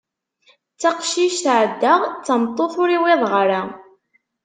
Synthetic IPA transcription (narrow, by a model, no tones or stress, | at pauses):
t͡sːaqʃiʃθʕəd̪ːəʁt͡sːəmt̪ˤːoθʊɾiwɪðˤʁɾa